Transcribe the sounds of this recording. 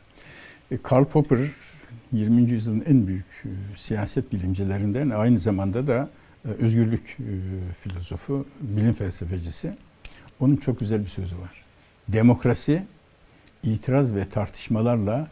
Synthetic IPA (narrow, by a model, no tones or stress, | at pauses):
kʰaɾlˠpʰo̞pʰɯɾjiɾmiind͡ʒyjyzjɯlˠɯnænbyjycsijaːsɛt̪̚bilʲimd͡ʒelʲeɾind̪ænajnɯzamand̪ad̪a | øzɟyɾlʲyc | filʲo̞zo̞fubilʲimfɛlʲsefed͡ʒisɪ | o̞nunt͡ʃʰo̞k̚yzælʲbisø̞zyvaɾ̥ | d̪e̞mo̞kɾasi | iːt̪ʰiɾazvɛt̪ʰaɾt̪ʰɯ̥ʃmalˠaɾlˠa